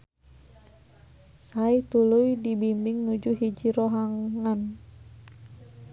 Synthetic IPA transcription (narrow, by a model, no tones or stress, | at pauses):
sait̪ulujdibimbiŋnud͡ʒuɦid͡ʒiɾoɦaŋŋan